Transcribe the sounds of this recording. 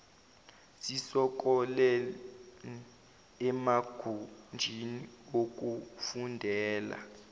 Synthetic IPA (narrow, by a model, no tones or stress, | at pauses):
sisɔk̬ʼɔlɛ | ɛmaɡ̥ʱund͡ʒʱiniok̬ʼufundʱɛːla̰